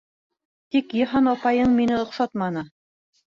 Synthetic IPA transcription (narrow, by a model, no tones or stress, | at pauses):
t̪ikjɤ̆ɦɑnɒpɑjɤɴminɘŏqsɑt̪mɑnɤ